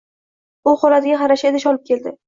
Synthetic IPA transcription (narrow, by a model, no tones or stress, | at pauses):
ʊχoɾat̪ɪɡʲaχɑɾaʃed̪ɪʃɒlˠɪp̚kʲʰe̞ld̪ɪ